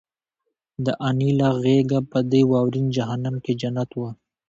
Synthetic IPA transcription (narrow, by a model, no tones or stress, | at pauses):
d̪əʔanilaɣeɡapəd̪əjwɑwɾind͡ʒaɦanamked͡ʒanat̪wə